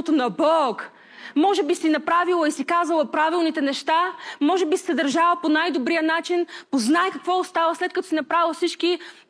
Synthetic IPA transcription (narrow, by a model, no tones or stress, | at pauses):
ot̪onɐbɔk | mɔʒɛbisinɐpɾavilˠəisikazəlˠɐpɾavilˠnit̪ɛnɛʃt̪amɔʒɛbissɛd̪ɐɾʒavəponajd̪obɾijənat͡ʃinpoznaɛkɐkvɔʊst̪avəslɛt̪kɐt̪ɔsinɐpɾavisit͡ʃki